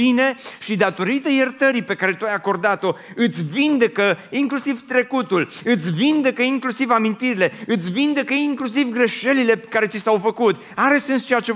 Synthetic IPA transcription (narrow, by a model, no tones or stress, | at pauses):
ine̞ʃid̪at̪o̞ɾit̪əjert̪əɾijpe̞kaɾe̞t̪uajako̞rd̪at̪o̞ɨt̪sʲvind̪e̞kəiŋklusivt̪ɾe̞kut̪ulɨt̪sʲvind̪e̞kəiŋklusivamint̪iɾile̞ɨt̪sʲvind̪e̞kəiŋklus̬ivɡɾe̞ʃe̞lile̞pekaɾe̞t̪sisawfəkut̪ | aɾe̞se̞nst͡ʃejat͡ʃe